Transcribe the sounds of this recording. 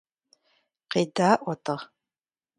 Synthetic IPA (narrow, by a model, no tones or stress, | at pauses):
qeːdaːʔʷɔtʰɐʁ